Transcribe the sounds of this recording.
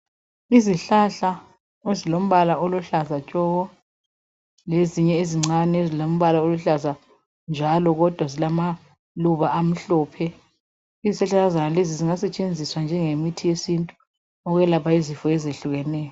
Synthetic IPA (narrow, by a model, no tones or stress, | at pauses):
iziɬaɬa | ezilom̩βalaʔoluɬazat͡ʃʼɔɣɔ | leziɲɛeziŋ͡ǀanɛezilom̩βalaoluɬaza | nd͡ʒʱalɔɣɔd̥ʱwazilama | luβaʔam̩ɬɔːpʰɛ | izisɛɬalazanaleziziŋasɛt͡ʃʼend͡zʱiswand͡ʒʱɛŋemitʰijesintʼu | ɔɣwɛlapʰaizifɔɛzeɬuɣɛnɛːjɔ